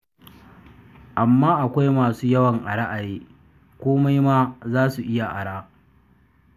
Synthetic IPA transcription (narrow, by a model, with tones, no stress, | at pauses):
ʔa˨mːaː˦ʔa˨kʷa˦jmaː˨suː˦jɐ˦wɐ˨ŋʔa˨ɽa˦ʔa˨jeː˦ | kʷoː˦ma˦jmaː˦zaː˦su˨ʔɪ˦ja˨ʔa̰˨ɽaː˦